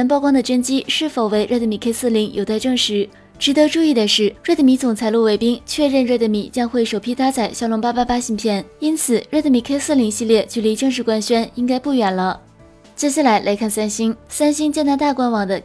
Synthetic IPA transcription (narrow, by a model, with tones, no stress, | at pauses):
ə˧˥np̬ɑ˥˧ʊkwɑ˥ŋd̪ə˨ʈ͡ʂə˥nt͡ɕi˥ʂɻ̩˥˩fo˨˩ʊwe˥˩ɪɻə˥˩t̪ə˧˩mi˨˩kʰe˥ɪsɹ̩˥˩li˧˥ŋjʔo˨˩ʊt̪a˥˧ɪʈ͡ʂɤ˥˧ŋʂɻ̩˧˥ | ʈ͡ʂɻ̩˧˥t̪ɤ˧˥ʈ͡ʂu˥˧i˥˩d̪ə˩ʂɻ̩˥˩ɻə˥˩d̪ə˧˩mi˧˥t͡sʊ˨˩ŋt͡sʰa˧˥ɪlu˥˩we˧˥ɪpi˥ŋt͡ɕʰɥɛ˥˧ɻə˥˧nɻə˥˩d̪ə˧˩mḭ˨˩t͡ɕjɑ˥ŋxwe˥˩ɪʂo˨˩ʊpʰi˧˥t̪ʰa˥t͡sʰa˨˩ɪɕjɑ˥ʊlʊ˧˥ŋpa˥pa˥pa˥ɕi˧˥ŋpʰjɛ˥˩ni˥nt͡sʰɹ̩˨˩ɻə˥˩t̪ə˩mi˨˩kʰe˥ɪsɹ̩˥˩li˧˥ŋɕi˥˧ljɛ˥˧t͡ɕy˥˩li˧˥ʈ͡ʂɤ˥˧ŋʂ̬ɻ̩˥˩kwa˥nɕɥɛ˥ni˥ŋka˥ɪpu˥˩ɥɛ˨˩nlə˦ | t͡ɕjɛ˥ɕja˥˩la˧˥ɪlʔa˧˥ɪkʰa˥˩nsa˥nɕi˥ŋsa˥nɕi˥ŋt͡ɕjɛ˥˧nt̪a˥t̪a˥˩kwa˥nwɑ˨˩ŋd̪ə˦